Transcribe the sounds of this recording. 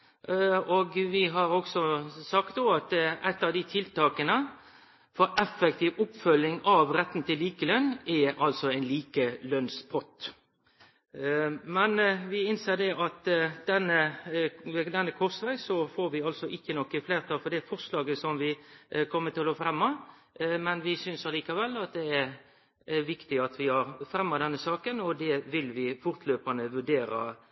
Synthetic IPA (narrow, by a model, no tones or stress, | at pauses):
oːɡʋɪɦɑɾɔksɔsɑkt̪d̪oɑt̪ʔæt̪ːɑʋd̪ɪt̪ʰɪlt̪ɑːkənə | fɔɾɛfɛk̚t̪ɪʋʊpfœlːɪŋɑʋɾɛt̪ːn̩t̪ɪlːiːkəlœnɛʔɑlsɔæɪnliːkəlœnspʰɔt̪ | mɛnʋɪɪnseːd̪ɛʔɑt̪d̪ɛnːə | d̪ɛnːəkʰɔsʋæɪsɔfoːɾʋɪɑlsɔʔɪkːənɔkːəfleːʁt̪ʰɑːlfɔd̪ɛæfɔʁslɑːɡəsɔmʋɪkʰɔmːət̪ɪloːfɾɛmːɑ | mɛnʋɪsʏnsɑliːkɑʋɛlːɑt̪̚d̪ɛæɾ | ʋɪkt̪ɪɑt̪ʋɪɑʁfɾɛmːɑd̪ɛnːəsɑːkənɔd̪ɛʋɪlʋɪfʊʁt̪ʰløːpənəʋʉɖeːɾɑ̰